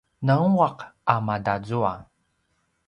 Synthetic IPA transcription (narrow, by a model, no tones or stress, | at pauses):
nauaqamadad͡zua̰